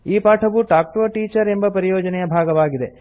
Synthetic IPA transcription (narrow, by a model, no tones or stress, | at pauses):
iːpaːʈʰɐʋuʈaːk̚ʈoːʈiːt͡ʃɐɾe̞mbɐpɐɾijoːd͡ʒɐnɛjɐbʱaːɡɐʋaːɡid̪e